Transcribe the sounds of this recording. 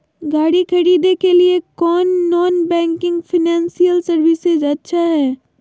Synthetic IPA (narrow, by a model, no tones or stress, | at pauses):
ɡaːɽikʰɐɾiːd̪ekeliekɔːnːɔːnbɛ̃ːŋkɪ̃ŋɡfɪnɛ̃ːnsijəlsɐɾʋɪsɪzɐtːʃʰaɦɛː